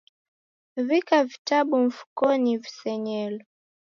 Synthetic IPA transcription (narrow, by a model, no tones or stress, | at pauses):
vikavitaɓuɱ̩fu̥kɔnivisɛɲɛlɔ